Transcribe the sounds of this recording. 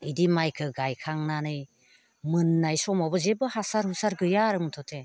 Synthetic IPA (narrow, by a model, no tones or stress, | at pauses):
idimajkʰɯɡajkʰaŋnanɯj | mɯnːajsɔmabɯzebɯhasaɾhusaɾɡɯjaɾɯmɯtʰɔtʰe